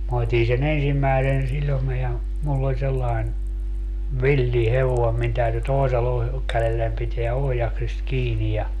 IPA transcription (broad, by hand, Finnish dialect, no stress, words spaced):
mɑ otʲin sen ensimːæesen silʲome jɑ mulː olʲ selːɑen ʋilːi heʋoem min tæyty toeselːɑ kælelːæn piteæ ohjɑksist kiːnij jɑ